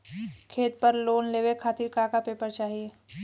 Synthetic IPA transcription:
kʰeːt̪̚pəɾloːnleːʋekʰaːt̪ɪɾkaːkapeːpəɾt͡ʃaːɦieː

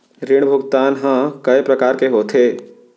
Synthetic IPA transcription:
ɾɪɽ̃bʱʊɡt̪aːnɦãkɐepɾɐkaːɾkeɦoːt̪ʰeː

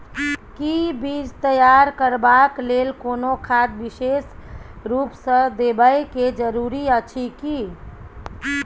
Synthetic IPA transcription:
kibid͡ʒt̪əjaɾkəɾbaklelkonokʰad̪̚bisesɾupsə̃d̪ebəjked͡ʒəɾuɾiət͡ʃʰiki

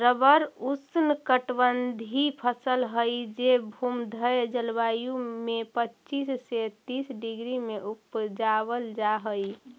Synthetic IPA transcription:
ɾəbəɾusnkəʈbənd̪ʱipʰəsəlɦəjd͡ʒebʱumd̪ʱəjd͡ʒəlʋajũmepətːt͡ʃisːet̪isɖiɡɾimeʔupd͡ʒabəld͡ʒaɦəj

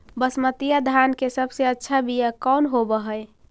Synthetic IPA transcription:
bəsmət̪ijad̪ʱankesəbseətːʃʰabijakɔnɦobəɦəj

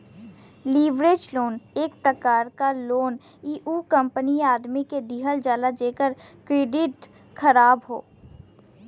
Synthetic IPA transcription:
liːʋɾeːd͡ʒloːneːkpɾəkaːɾkaloːn | iːʔukə̃mpəniaːd̪miked̪iɦəld͡ʒaːlad͡ʒeːkəɾkɾeːɖɪʈ | kʰəɾaːbɦo̰ː

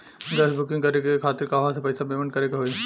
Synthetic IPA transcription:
ɡɐsbʱʊkɪ̃ŋɡkɐɾekekʰaːt̪ɪɾkaʋɐɦãsepɐɪsabemə̃ɳʈkɐɾekeɦoːi

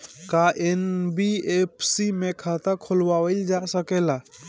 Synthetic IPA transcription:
kaʔenbiepʰsimekʰat̪əkʰolwawəld͡ʒasəkela

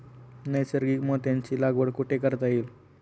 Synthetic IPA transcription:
nəjsəɾɡiːkmət̪jãɲt͡ɕiːlaɡʋəɽkuʈekəɾt̪aiːl

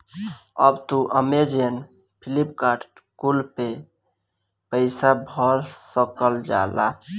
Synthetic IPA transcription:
ə̰bt̪uʔəmed͡ʒen | pʰilipka | kulpe | pəɪsabʱɔɾsəkəld͡ʒa̰la̰

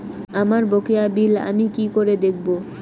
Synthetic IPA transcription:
amaɾbokeabila̰mikikoɾed̪ekʰbo

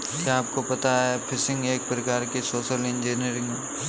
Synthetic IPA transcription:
kjaːp̚kopɐt̪aɦɛpʰɪsɪ̃ŋɡeːk̚pɾɐkaːɾkesoːʃəlɪ̃nd͡ʒiːnjəɾɪ̃ŋɡ

